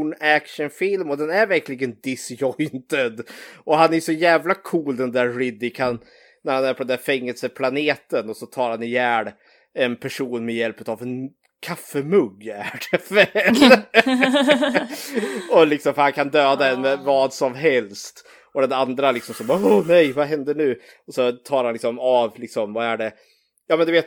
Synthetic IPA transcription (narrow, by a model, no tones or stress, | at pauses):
ɳækʂənfɪlmɔd̪ɛnæɾvæɾklɪɡənd̪ɪsjɔjnt̪əd̪ʔɔɦanæɾjʂɔjæːvlakʰuːld̪ɛnd̪æɾɾɪd̪ːɪkʰan | næɾhanæɾpʰɔd̪ɛnd̪æːɾfɛŋːəlsəpʰlaneːt̪ənɔsɔt̪ʰɑːɾhanɪjæːɳ | ɛnpʰæʂuːnmɛjɛlpət̪avɛn | kʰafːəmɵɡːæɖʰɛfɛl | ɔlɪksɔmfœɾhankʰand̪øːd̪aɛnmɛvɑːd̪sɔmɦɛlst̪ | ɔd̪ɛnand̪ɾalɪksɔmsɔmɔnɛjvaɦɛnd̪əɳʉ̟ː | ɔsɔt̪ʰɑːɾhanlɪksɔmavlɪksɔmvaæɖɛ | jɑːmɛnd̪ɵveːt̪